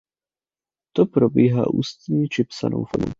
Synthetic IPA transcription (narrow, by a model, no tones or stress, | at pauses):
t̪opɾobiːɦa̰ːʔuːst̪ɲit͡ʃɪpsa̰nʔo̰wfano̰